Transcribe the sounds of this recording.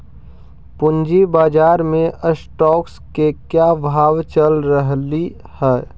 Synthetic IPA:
pʊnd͡ʒibaːd͡ʒaːɾmẽʔəsʈɔːkskekjaːbʱaːʋt͡ʃəlɾəɦli | hɛː

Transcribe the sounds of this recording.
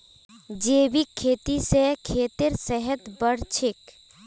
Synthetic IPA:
d͡ʒeːbikʰːeːt̪isekʰeːt̪ɪɾsɛɦət̪bəɽt͡ʃʰɪk

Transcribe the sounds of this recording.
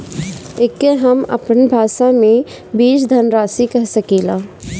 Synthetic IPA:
ekːeɦɐmɐ̰pnbʱaːʃamẽ | biːt͡ʃd̪ʱɐnɾaːsikɐɦsɐkiːlaː

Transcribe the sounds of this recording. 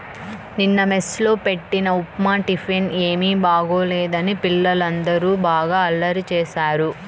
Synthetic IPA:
ninːɐmeslo̞ːpe̞ʈːinɐupmaːʈipʰeneːmiːbaːɡo̞ːlɛːd̪ɐnipilːɐlɐnd̪ɐɾuːbaːɡaːɐlːɐɾt͡ʃɛːʃaːɾu

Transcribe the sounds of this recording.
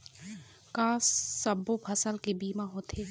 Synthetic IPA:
kaːssəbopʰɐsəlkebiːmaɦoːt̪eː

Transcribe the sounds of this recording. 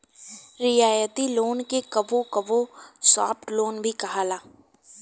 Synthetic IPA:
ɾɪjaːjət̪iloːnkekɐbokɐbosaːpʈloːnbʱikɐɦaːlaː

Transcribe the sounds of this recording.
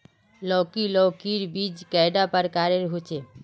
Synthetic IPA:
lɔkilɔːkiɾbid͡ʒkaɪɖapəɾkaːɾeɾɦut͡ʃe

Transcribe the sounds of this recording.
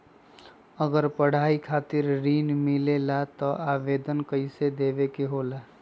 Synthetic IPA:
əɡəɾpəɽ̤aikʰaːt̪ɪɾɾiːnmilelat̪ɔʔaʋeːd̪ənkəɪsed̪eːʋekeɦola

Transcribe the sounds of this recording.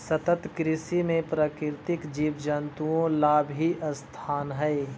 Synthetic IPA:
sɐt̪ət̪kɾɪsimẽpɾaːkɪɾt̪ɪkd͡ʒiːʋd͡ʒənt̪uõlaːbʱɦiʔəst̪ʰaːnɦɛe

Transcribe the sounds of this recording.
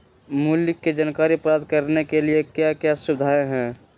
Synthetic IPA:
mʊljɪkːed͡ʒɐnkaːɾipɾaːt̪̚kəɾnekeliekjakjasʊbɪd̪ʱaːeɦɛ̃ː

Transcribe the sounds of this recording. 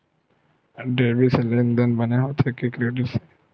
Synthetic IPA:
ɖeːbiselẽnd̪ənbəneɦot̪ʰekikɾeːɖɪʈse̥

